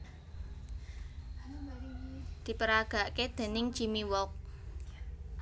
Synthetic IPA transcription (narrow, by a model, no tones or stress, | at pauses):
d̪̥i̤pəɾaɡ̥a̤ʔked̪̥e̤nɪŋ̥ʒ̥imiwɔk̚